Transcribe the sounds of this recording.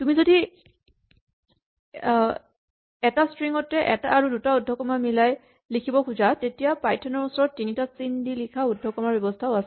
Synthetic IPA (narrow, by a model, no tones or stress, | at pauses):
tumizodi | ɛtastɹiŋɔtɛʔɛ̰taaɹudutaudʱːɔkɔmamilaj | likʰibɔkʰuzatetijapajtʰɔnɔɹusɔɹɔtːinitasindilikʰaudʱɔkɔmaɹbjɔbɔstʰaʊas